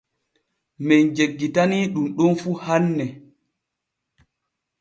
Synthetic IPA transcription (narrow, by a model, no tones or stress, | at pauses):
mɛnd͡ʒeɡːitaniɗumɗɔnfuːhanːɛ